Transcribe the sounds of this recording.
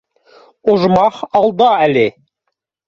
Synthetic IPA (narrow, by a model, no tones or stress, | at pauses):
oʒmɑχɑlˠd̪ɑælɪ